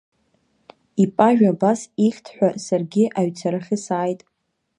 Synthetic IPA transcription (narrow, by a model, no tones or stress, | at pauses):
ipʼaʒᶣabasiχʲtʰħᶣʷasarɡʲɪʔaɥt͡sʰaɾɨχʲɪsaːjtʼ